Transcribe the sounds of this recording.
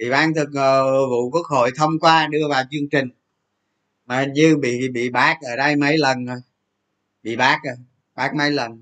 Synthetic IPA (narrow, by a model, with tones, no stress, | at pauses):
ɓḭ˧˨ɓaː˧˥nt̪ʰɨ˨˩k̚ə˨˩vṵ˧˨ku˦˥ək̚ho̰˧˨jt̪ʰə˧wŋ͡mkwaː˧ɗɨ˧əvaː˨˩wt͡ɕɨ˧əŋt͡ɕï˨˩ŋ̟ | maː˨˩˨ɲɨ˧ɓḭ˧˨ɓḭ˧˨ɓaː˦˥k̚ʔəː˧˩ɗə˧jmə˨˦jlə˨˩nə˨˩ | ɓḭ˧˨ɓaː˦˥k̚ʔə˨˩ | ɓaː˦˥k̚mə˨˦jlə˨˩n